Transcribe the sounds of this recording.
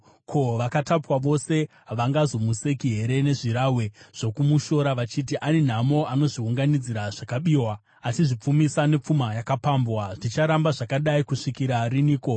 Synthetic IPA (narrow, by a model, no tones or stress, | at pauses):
kʰo̞ʋakatapwaʋo̞se̞ | ʋaŋɡazo̞muse̞kiɦe̞ɾe̞ne̞ʐiɾawe̞ʐ̥o̞kumuʃo̞ɾaʋat͡ʃitiʔanin̤amoano̞ʐiɦuŋɡanid͡ziɾaʐ̥akaɓiːwaː | siʐip͡fumisane̞p͡fumajakapambwaʐit͡ʃaɾambaʐakaɗaikuʂikiɾariniːko̞